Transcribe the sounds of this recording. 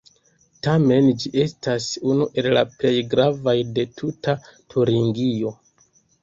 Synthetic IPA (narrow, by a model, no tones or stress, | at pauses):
tame̞nd͡ʒiʔe̞stasunuʔe̞llaple̞jɡɾavajde̞tʰutʰatʰuɾiŋɡio̞